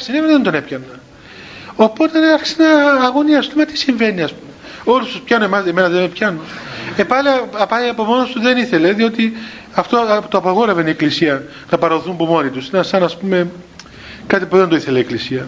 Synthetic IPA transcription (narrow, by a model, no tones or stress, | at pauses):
sinemðend̪o̞ne̞pçɐnːɐ | o̞po̞t̪enɐɾçi̥senɐːɣo̞niɐst̪ulmɐt̪i̥siɱve̞niɐspume | o̞lust̪uspçɐnoemɐseme̞nɐðemepçɐnoepɐliɐɐpɐliɐpomo̞nost̪uðe̞niθe̞leðio̞t̪i | ɐft̪o̞t̪oɐpɐɣo̞ɾe̞venie̞klisiɐ | nɐpɐɾɐoθumpumo̞nit̪usinɐsɐnɐspume̞ | kɐt̪ipuðend̪oiθe̞lɐiːklisiɐ